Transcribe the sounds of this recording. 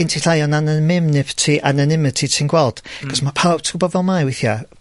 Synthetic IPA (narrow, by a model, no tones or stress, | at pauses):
ɪntʰiɬajɔnanamɪmnɪvtʰiʔananɪmətʰitʰinɡwɛlˠd̥ɡ̥ʰɔsmapʰawb̥̚tʰɡ̥ʊbɔvɛlˠmajwɪθja